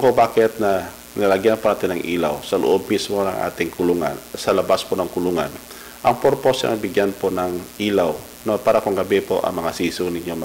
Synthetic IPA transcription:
kobaːkɪt̪̚nɐ | nɐlaɡjanponaːt̪ɪnːɐŋʔḭːlawsɐlo̰ʔob̚mismo̞nɐŋʔa̰ːt̪ɪŋkʊluŋa̰nsɐlɐbasponɐŋkʊluŋan | ʔɐŋpoɾposɛʔɐ̰ŋbɪɡjanponɐŋʔiːlaw | nopaːɾakoŋɡɐbɛpo̞̰ʔɐ̰ŋmɐŋasiːsʊnɪɲjom

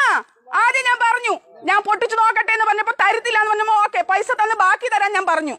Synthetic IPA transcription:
aːðjɐɲaːnpɐrɐɲːuɲaːnpoʈːit͡ɕːuno̞ːkːɐʈːeenːɨpɐrɐɲːɐpːoːt̪ɐɾit̪ːilːaːnːɨpɐrɐɲːɐmːooːkːeːpɐjsɐt̪ːenːɨbaːkːijt̪ɐɾaːnɲaːnpɐrɐɲːu

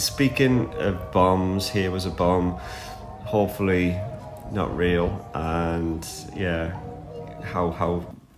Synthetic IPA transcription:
spiˑkɪ̃ŋə̰vbɒ̃mz̥hiəwɒzəbɒ̃m | hoʊpfəli | nə̰ʔɹiːəlˠʔə̃n | jæ | haʊhaʊ

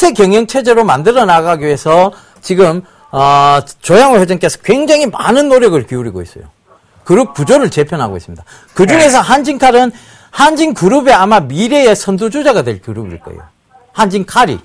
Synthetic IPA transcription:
tʰe̞kjʌŋjʌŋt͡ɕʰe̞d͡ʑe̞ɾomandɯɾʌnaɡaɡie̞sʰʌ | t͡ɕiɡɯm | ʌt͡ɕojaŋwejed͡ʑʌŋk͈esʰʌ̥kwe̞ŋd͡ʑaŋɦima̰nɯnːoɾjʌɡɯɭkiuɾiɡois͈ʌjo̰ | kɯɾuk̚k͈ud͡ʑoɾɯɭt͡ɕe̞pʰjʌnɦaɡois͈ɯmɲid̥a | kɯd͡ʑuŋe̞sʰʌɦand͡ʑiŋkʰaɾɯn | hand͡ʑiŋkuɾube̞amamiɾe̞esʰʌndud͡ʑud͡ʑaɡadwe̞ɭkjuɾubḭɭk͈ʌ̰ḛjo̰ | hand͡ʑiŋkʰaɾḭ

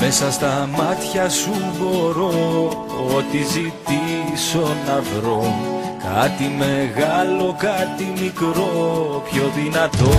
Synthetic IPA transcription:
me̞sɐst̪ɐmɐt̪çɐsuboɾo | ot̪izit̪iso̞nɐvɾo̞m | kɐt̪ime̞ɣɐlo̞kɐt̪imikɾo̞pço̞ðinɐt̪o̞

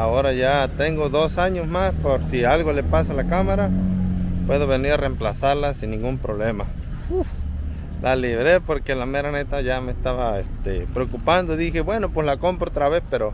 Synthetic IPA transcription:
aoɾaʝat̪eŋɡoðosaɲosmaspoɾsialɣolepasalakamaɾa | pweðoβeniɾaremplasaɾlasinːĩŋɡumpɾoβlema | lʔaliβɾepoɾkelameɾanet̪aʝamest̪aβaest̪epɾeokupand̪oðixebwenopweslakompɾoot̪ɾaβespeɾo

